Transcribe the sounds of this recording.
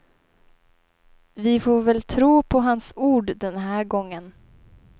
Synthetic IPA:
vɪfoːɾvɛlt̪ʰɾuːpʰɔɦansuːɖɖɛnɦæːɾɡɔŋːən

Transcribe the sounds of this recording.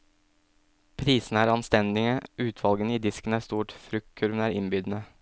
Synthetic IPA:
pʰɾiːsn̩æːɾɑnst̪ɛnd̪ɪŋəʔʉːt̪ʰʋɑlɡənəiːd̪ɪskənæːɾst̪uːʈfɾʏk̚t̪̚kʰʉɾʋənæːɾɪnbʏd̪ən̩ə

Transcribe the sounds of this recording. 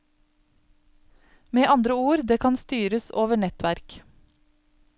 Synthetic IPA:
meːʔɑnd̪ɾəuːɾd̪eːkʰɑnst̪yːɾəsoːʋəɳɛt̪ʋæɾk

